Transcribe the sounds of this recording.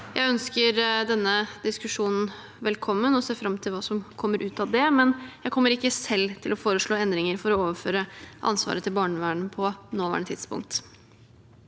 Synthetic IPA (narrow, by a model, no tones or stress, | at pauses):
jʔæ̰ɪœnskəɾd̪ɛnːəd̪ɪskʉʂuːnn̩ | ʋɛlkʰɔmːənɔseːfɾɑmt̪ʰɪlʋɑːsɔmkʰɔmːəɾʔʉːt̪ɑʋd̪ɛmɛnjæɪkʰɔmːəɾɪkːəsɛlːt̪ʰɪlɔfoːɾəʂɭoːɛnd̪ɾɪŋəɾfɔɾɔoːʋəføːɾəʔɑ̰nsʋɑ̰ːɾət̪ʰɪlbɑːɳəʋæːɳ̩pʰɔnoːʋæ̰ːɳət̪ʰɪd̪̥spʊ̰ŋk̚t̪